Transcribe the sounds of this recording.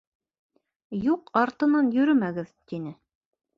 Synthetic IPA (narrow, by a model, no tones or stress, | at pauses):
juqɑɾt̪ɤ̆nɑnjɵ̆ɾɵmæɡɘðt̪inɘ